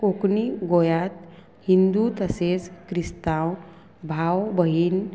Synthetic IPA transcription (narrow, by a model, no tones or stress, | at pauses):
kokniɡojat̪̚ | hind̪ut̪əset͡skɾist̪aw | bʱawbəɦin